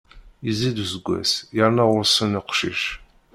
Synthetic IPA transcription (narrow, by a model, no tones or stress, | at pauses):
izid̪uzɡʷæ̰sjaɾnawʊɾsəniqʷʃḭʃ